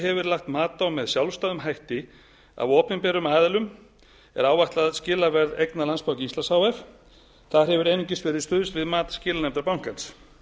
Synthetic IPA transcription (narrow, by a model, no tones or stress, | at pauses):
ɦɛvʏɾlaxt̪maːt̪awmɛðsjawlst̪aːðʏmɦajht̪ɪ | a̰vɔːpɪnpɛɾʏmaːðɛlʏm | ɛ̰ɾaːwvaht̪laðscɪːlavɛɾðejknalanspawcɪist̪ashaːwɛf | θaɾ̥hɛvʏɾejnɪɲcɪsvɛɾɪðst̪ʏːðʏst̪vɪðmaːt̪ḁscɪːlanɛmt̪ɾapawŋ̥kans